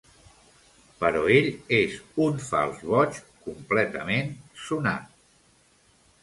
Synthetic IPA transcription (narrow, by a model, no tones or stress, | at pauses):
pəɾɔeʎezunfa̰lˠzβɔt͡ʃkumplɛt̪əmensuna̰t̪̚